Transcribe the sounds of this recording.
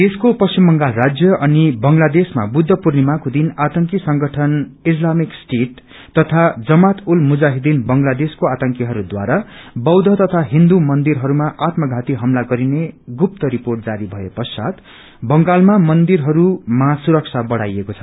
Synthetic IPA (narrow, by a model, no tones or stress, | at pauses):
t̪eskopʌsimbʌŋɡalrad͡zjʌʔʌnibʌŋlad̪esma̰bud̪ʱːʌpurnimakod̪inat̪ʌŋkisʌŋɡʌʈʰʌnis̬lamiksʈeʈ | t̪ːʌt̪ʰad͡zʌmat̪ulmud͡zaɦid̪inbʌŋlad̪eskoat̪ʌŋkiɦʌɾud̪wa̰ɾabʌwd̪ʱʌt̪ʌt̪ʰaɦĩnd̪umʌnd̪iɾɦʌɾumaʔat̪mʌɡʱat̪iɦʌmlaɡʌɾineɡup̚t̪ʌɾiporʈ̚d͡zaɾibʱʌepʌsa̰t̪ | bʌŋɡalmamʌnd̪irɦʌɾumasuɾʌk̚sʰabʌɽa̰jekot͡sʰʌ̥